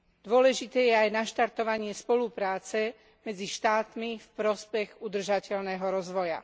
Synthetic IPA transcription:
d̪ʊɔlɛʒit̪ɛːjɛajnaʃt̪aɾt̪ɔʋaɲɪɛspɔlupɾaːt͡sɛ | mɛd͡ziʃt̪aːt̪mifpɾɔspɛɣud̪r̩ʒacɛʎnɛːɦɔɾɔzʋɔja̰

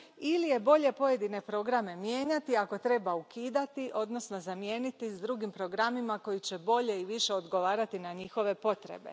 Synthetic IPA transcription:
ilije̞bo̞ʎe̞po̞je̞d̪ine̞pɾo̞ɡɾame̞mje̞ːɲat̪iako̞t̪ɾe̞baukiːd̪at̪iʔo̞d̪no̞sno̞zamje̞ːnit̪izd̪ɾuɡimpɾo̞ɡɾamimako̞jit͡ɕe̞bo̞ʎe̞iʋiʃe̞o̞d̪ɡo̞ʋaːɾat̪inaɲixo̞ʋe̞po̞t̪ɾḛbe̞̰

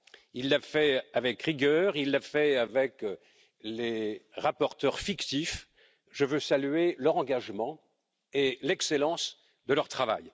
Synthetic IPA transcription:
ilːafɛavɛkʁiɡœʁilːafɛavɛk | leʁapɔʁt̪œʁfikt̪if | ʒəvøsalyelœʁɑ̃ɡaʒmɑ̃ | elɛkselɑ̃s | d̪əlœʁt̪χava̰j

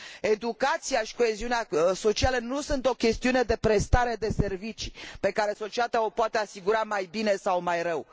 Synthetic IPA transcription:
e̞d̪ukat̪sijaʃi̥ko̞e̞ziuneaso̞t͡ʃialənusunt̪o̞kʲe̞st̪iune̞d̪e̞pɾe̞st̪aɾe̞d̪e̞se̞rvit͡ʃi̥pe̞kaɾe̞so̞t͡ʃiat̪ao̞poat̪e̞asiɡuɾamajbine̞sawmajɾəw

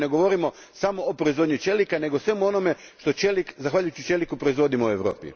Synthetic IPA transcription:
neɡo̞ʋo̞ɾimo | samo̞ːpɾo̞izʋod̪ɲut͡ʃe̞likane̞ɡosʋe̞muo̞nome̞ | ʃt̪ot͡ʃelikzaxʋaːʎujut͡ɕit͡ʃe̞likupɾo̞izʋo̞d̪imoueʋɾo̞ːpḭ

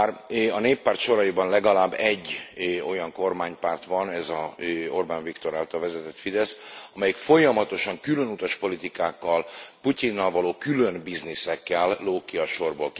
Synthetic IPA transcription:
rɒneːpːaːrt̪ʃo̞ɾɒjibɒnlɛɡɒlaːbːɛɟːo̞jɒŋko̞rmaːɲpaːrt̪ʋɒnɛzɒo̞rbaːnvikt̪o̞ɾaːlt̪ɒlvɛzɛt̪ɛt̪fid̪ɛsɒmɛjikfo̞jɒmɒt̪o̞ʃɒŋkylønut̪ɒʃpo̞lit̪ikaːkːɒlpucinːɒlvɒloːkylø̞nbiznisɛkːɛlːoːkiɒʃo̞rbolk

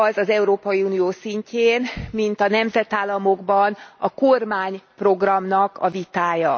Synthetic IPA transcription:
ɒzɒzɛuɾoːpɒjiuːnijoːsiɲceːnmint̪ɒnɛmzɛt̪aːlːɒmoɡbɒnɒkormaːɲpro̞ɡrɒmnɒkʰɒvit̪aːjɒ

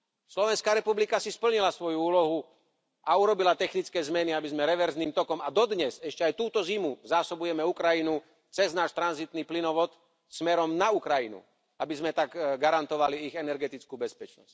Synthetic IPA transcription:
slɔʋɛnskaːɾɛpublikasispl̩ɲilasʋɔjuuːlɔɦu | ʔauɾɔbilat̪ɛxnit͡skɛːzmɛniabizmɛɾɛʋɛɾzniːmt̪ɔkɔmad̪ɔd̪ɲɛzɛʃcɛajt̪uːt̪ɔzimuzaːsɔbujɛmɛukɾajinu | t͡sɛznaːʃt̪ɾanzit̪niːplinɔʋɔt̪ | smɛɾɔmnaukɾajinṵ | abizmɛt̪aɡɡaɾant̪ɔʋaliiɣɛnɛɾɡɛt̪it͡skuːbɛspɛt͡ʃnɔ̰sc

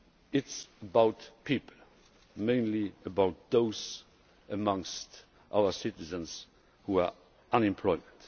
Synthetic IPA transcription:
ɪtsəbaʊtpʰipl̩ | mẽɪ̃nliəbaʊt̪̚ðoʊz | əmʌ̃ŋst | ʔa̰ʊə˞sɪtɪzə̃ns | hua | ʔãnɪ̃mpʰl̥ɔɪmə̃nt

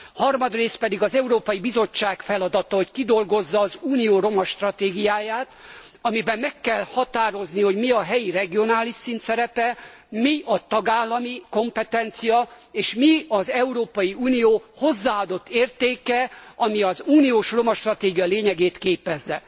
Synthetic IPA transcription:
hɒrmɒd̪reːs̚pɛd̪iɡɒzɛuɾoːpɒjibizo̞t͡ʃːaːkfɛlɒd̪ɒt̪ɒo̞ckid̪o̞lɡo̞zːɒːzuːnijoːɾo̞mɒʃt̪rɒt̪eːɡijaːjaːt̪ | ɒmibɛmːɛkːɛlhɒt̪aːɾo̞zniho̞ɟmiɒɦɛjirɛɡio̞naːliʃsint̪sɛɾɛpɛ | miʔɒt̪ɒɡaːlːɒmiko̞mpɛt̪ɛnt̪sijɒ | eːʃmiɒzɛuɾoːpɒjiuːnijoːho̞zːaːɒd̪o̞t̪ːeːrt̪eːkɛɒmiɒzuːnijoːʃro̞mɒʃt̪rɒt̪eːɡijɒleːɲɛɡeːt̪keːpɛzːɛ

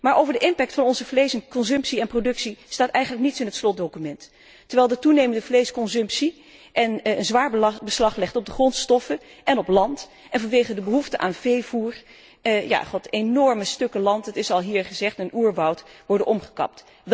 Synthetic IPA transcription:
maːɹʔowvəɹdəʔɪmpɛk̚tfɑnɔnzəvlejsənkɔnzɵmpsiɛnprodɵksistaːtɛjχənlək̚nitsɪnɦətslɔt̚dokymɛntː | əɹʋɛjlˠdətunejməndəvlejskɔnzɵmpsi | ʔɛnənzʋaːɹbəslɑχlɛχtɔb̚dəχrɔntstɔfəʔɛnɔplɑnt | ɛnvɑnʋejχədəbəɦuftəʔa̰ːnvejvuːr | ja̰ːχɔtenɔɹməstɵkəlɑntɦətɪsɑlˠɦiːɹχəzɛχtənuːɹʋɑwtʋɔɹdənʔɔmχə̥kɑ̰p̚t

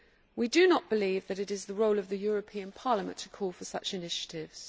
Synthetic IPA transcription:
widənəʔb̥ɪliːvðəɾɪɾɪzðəɹəʊləvðəjɔːɹəpʰĩə̃npʰɑːləmə̰̃ntʰə̥kʰɔːlˠfəsʌ̰t͡ʃɪnɪʃə̥tʰɪvz̥

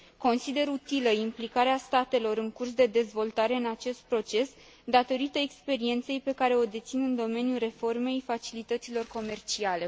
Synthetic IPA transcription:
ko̞nsid̪e̞ɾut̪iləimplikaɾeast̪at̪e̞lo̞ɾɨŋkurs̬d̪e̞d̪e̞zvo̞lt̪aɾe̞ɨnat͡ʃe̞st̪̚pɾo̞t͡ʃe̞s | d̪at̪o̞ɾit̪əekspe̞ɾie̞nt̪se̞jpe̞kaɾe̞o̞d̪e̞t̪sinɨnd̪o̞me̞nijulre̞fo̞rme̞jfat͡ʃilit̪ət̪silo̞rko̞me̞rt͡ʃiale̞

